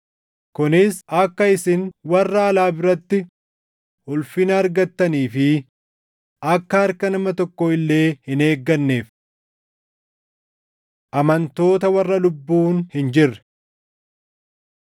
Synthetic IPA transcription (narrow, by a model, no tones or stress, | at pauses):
kʊnɪsɐkːɐɪsɪnwɐrːɐːlaːbɪɾɐt̪ːɪ | hʊlfɪnɐːɾɡɐt̪ːɐniːfɪ | ɐkːɐɐɾkɐnɐmɐt̪ɔkːɔɪlːe̞ːhɪne̞ːɡːɐnːe̞ːf | ʔɐmɐnt̪o̞ːt̪ɐwɐrːɐlʊbːuːnhɪnd͡ʒɪrːɛ̥